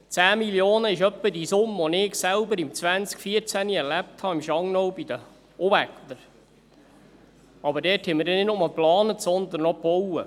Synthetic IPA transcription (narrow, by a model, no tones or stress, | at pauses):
t͡sæːmiljoːnəɪʃœpːədisʊmːəɔnɪːɡsælbəɾɪmt͡sʋænt͡skfiəɾt͡sæniɛɾlæp̚thɑɪmʃɑŋnɔwbid̥̪ə | ʔɔvækt̪əɾ | ɑbəɾdɛːthɛməɾdɛnɪtnʊmɑlˠplɑːnətsɔnd̪ən̩ːɔpɔwə̰